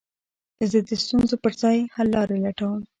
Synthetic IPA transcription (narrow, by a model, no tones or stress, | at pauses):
zəd̪əst̪unzopəɾzɑjhalːɑɾelaʈawəm